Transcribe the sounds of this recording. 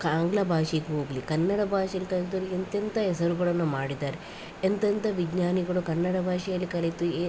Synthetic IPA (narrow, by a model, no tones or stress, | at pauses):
kaːŋɡlɐbʱaːʂikeɦoːɡɐlikɐnːɐɽɐbʱaːʃijɐlikɐɭit̪oːɾeɐnt̪jɐnt̪ɐɦɛsɐɾuɡɐɭɐnːumaːɽid̪aːɾe | ent̪ɐnt̪ɐʋid͡ʒnaːniɡɐɭukɐnːɐɽɐbʱaːʂijɐlːikɐɭit̪ue